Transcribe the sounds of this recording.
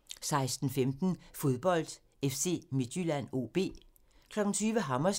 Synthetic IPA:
sɑ̈ɪsd̥n̩femd̥n̩fo̝ð̞ˠb̥ɒ̽l̰d̥ | efse̝̰ːmed̥jylæn̰o̝ːb̥e̝̰ː | kʰlɒ̽ɡ̥n̩t͡sʰyːʋəɦɑ̈mɐs

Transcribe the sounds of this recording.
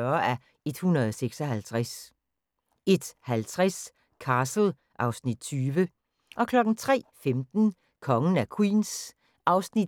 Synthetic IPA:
ɶɐæ | e̝d̥hunʁɐð̩ˠɒseɡ̥sɒ̽ɦælt͡sʰʁas | e̝d̥hælt͡sʰʁas | kʰɑ̈ːsl̩ˠ | ʔɑ̈ʊsnid̥̚t͡sʰyːʋə | ʔɒ̽kʰlɒ̽ɡ̥n̩t͡sʰʁɛ̰ːfemd̥n̩ | kʰɒ̽ŋn̩ækʰwḭːns | ʔɑ̈ʊsnid̥

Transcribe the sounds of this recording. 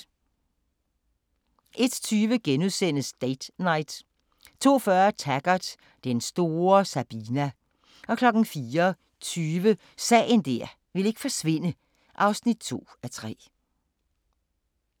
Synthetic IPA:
ʔe̝d̥t͡sʰyːʋəɡ̥enuðˠsen̰əsd̥eɪd̥nɑ̈ɪd̥ | t͡sʰo̝̰ːfɶɐt͡sʰæɡ̥ɐd̥ | d̥ensd̥o̝ːɐsæb̥inæ | ɒ̽kʰlɒ̽ɡ̥n̩fiːɐ | t͡sʰyːʋə | sɛ̰ːɪnd̥æɐ̰ | ʋe̝le̝ɡ̥fɒ̽sʋe̝n̰ə | ʔɑ̈ʊsnid̥̚t͡sʰo̝̰ːæt͡sʰʁɛ̰ː

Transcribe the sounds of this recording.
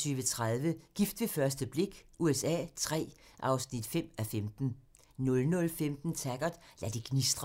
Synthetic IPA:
t͡sʰyːʋət͡sʰʁaðˠʋəɡ̥ifd̥ʋe̝fɶɐsd̥əb̥le̝ɡ̥uesɛ̰ːt͡sʰʁɛ̰ːʔɑ̈ʊsnid̥fem̰æfemd̥n̩ | nɔ̽lnɔ̽lfemd̥n̩t͡sʰæɡ̥ɐd̥ˠlæd̥eɡ̥nisd̥ʁ

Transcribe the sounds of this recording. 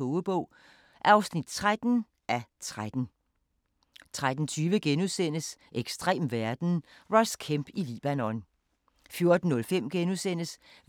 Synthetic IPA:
ɔʊəb̥ɔ̽ʊ̰ | ʔæɑ̈ʊsnid̥̚t͡sʰʁad̥n̩ | ʔæt͡sʰʁad̥n̩ | t͡sʰʁad̥n̩t͡sʰyːʋəɡ̥enuðˠsen̰əsʔeɡ̥sd̥ʁḛːmʋæɐd̥n̩ʁɒ̽skʰemb̥ilḭːb̥ænɔn | fjo̝ɐd̥n̩ːɔ̽lfem̰ɡ̥enuðˠsen̰əs

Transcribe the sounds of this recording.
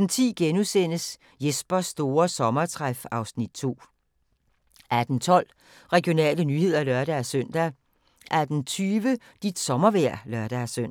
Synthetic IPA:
n̩t͡sʰḭːɡ̥enusen̰əs | jesb̥ɐsːd̥o̝ːɐsɒ̽mɐt͡sʰʁafɑ̈ʊsnid̥̚t͡sʰo̝̰ː | ʔæd̥n̩t͡sʰɒ̽l̰ | ʁɛɡ̥jo̝nɛ̰ːlənyhe̝ð̞̰ˠɐlœɐɾ̥æːsøn̰d̥æ | ʔæd̥n̩t͡sʰyːʋə | d̥id̥sɒ̽mɐʋæɐ̰lœɐɾ̥ææsøn̰

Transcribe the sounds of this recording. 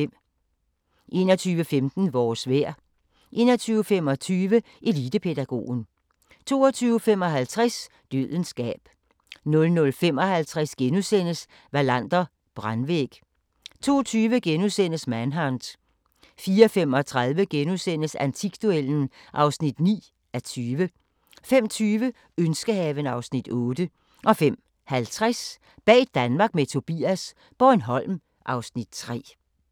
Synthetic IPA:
ʔe̝̰ːnɒt͡sʰyːʋəfemd̥n̩ʋɒːsʋeɐ̰ | ʔe̝̰ːnɐt͡sʰyːʊəfem̰ɒ̽t͡sʰyːʋə | ʔe̝lid̥əpʰe̝d̥æɡ̥o̝̰ːn | t͡sʰo̝̰ːɒt͡sʰyːʊəfem̰ɒ̽ɦælt͡sʰʁas | d̥øð̰ˠənsɡ̥ɛ̰ːb̥ | nɔ̽lnɔ̽lfem̰ɒ̽hælt͡sʰʁasɡ̥enusen̰əs | ʋælæn̰d̥ɐ | b̥ʁanʋḛɡ̥ | t͡sʰo̝̰ːt͡sʰyːʋəɡ̥enusen̰əsmænɦɑnd̥ | fiːɐfem̰ɒ̽t͡sʰʁɑ̈ð̞ˠʋəɡ̥enusen̰əsænt͡sʰiɡ̥d̥ueln̩ʔɑ̈ʊsnid̥nḭː | æt͡sʰyːʋə | fem̰t͡sʰyːʋə | ønsɡ̥əhɛːʋənɑ̈ʊsnid̥ɔ̽ːd̥ə | ʔɒ̽fem̰ | hælt͡sʰʁas | b̥ɛ̰̥ːd̥ænmɑ̈ːɡ̥met͡sʰo̝b̥ḭæs | b̥ɒnɦɒ̽l̰m | ʔɑ̈ʊsnid̥̚t͡sʰʁɛ̰ː

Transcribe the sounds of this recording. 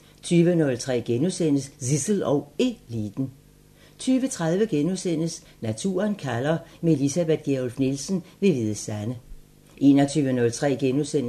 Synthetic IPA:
t͡sʰyːʋənɔ̽lt͡sʰʁɛ̰ːɡ̥enusen̰əssisl̩ɒʊe̝liːd̥n̩ | t͡sʰyːʋət͡sʰʁɑ̈ð̞ˠʋəɡ̥enusen̰əs | næt͡sʰṵːɐnkʰælɐːme̝lisæb̥ed̥̚ɡ̥eɒlfnelsn̩ʋe̝ʋiðˠəsænə | ʔe̝ːnɒt͡sʰyːʋənɔ̽lt͡sʰʁɛ̰ːɡ̥enusen̰

